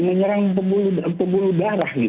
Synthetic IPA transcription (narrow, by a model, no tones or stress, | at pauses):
məɲəɾaŋpəbulupəbuludaɾahɡi